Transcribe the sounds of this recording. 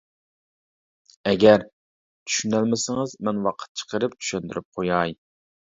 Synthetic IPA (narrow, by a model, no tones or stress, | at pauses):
ɛɡʲɛɾ | t̪ʰy̥ʃynɛlmɪsɪŋɨzmɛnwɑqʰə̥t̪̚t͡ʃʰə̥qʰəɾɨpt͡ʃ̪ʰy̥ʃɛnd̪yɾyp̚qʰojɑj